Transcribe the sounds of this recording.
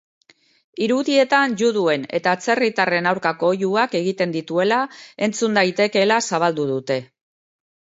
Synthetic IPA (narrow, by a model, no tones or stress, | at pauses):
iɾuðie̞t̪anʎuðue̞ne̞̰t̪aːt͡se̞rit̪are̞nawɾkako̞ːjuake̞ɣit̪e̞nd̪it̪ue̞lae̞nt͡sund̪ajt̪e̞ke̞lasaβ̞ald̪uðut̪e̞